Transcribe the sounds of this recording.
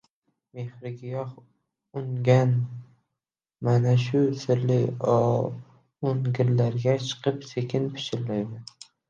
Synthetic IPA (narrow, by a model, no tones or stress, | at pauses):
mehɾɪɡʲɪjɒh | ʊŋɡʲan | manaʃʊsɪɾlɪ | oŋɡʲɪɾlaɾɡʲat͡ʃʰɨ̥qʰɨpsekʲʰɪnpʰɪ̥ʃɪɾlajmɪn